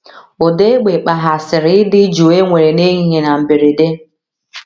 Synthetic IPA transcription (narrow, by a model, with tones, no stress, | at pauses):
o˨de˦ɡ͡be˨k͡pa˨ɦa˨sɪ˨ɾɪ˨˦ɪ˦dɪ˦d͡ʒo˨e˦ŋʷe˨ɾe˨ne˦ɦi˦ɦe˨na˨m̩˨be˨ɾe˨de˦